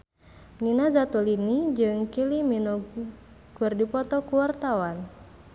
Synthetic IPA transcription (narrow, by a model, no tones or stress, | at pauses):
ninazat̪ulinid͡ʒɨŋkiliminɔ | ɡ̥urdipɔt̪ɔkuwart̪awan